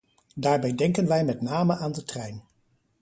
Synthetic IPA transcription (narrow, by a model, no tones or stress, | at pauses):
daːɹbɛjdɛŋkənʋɛjmɛtnaːməʔaːndətrɛjn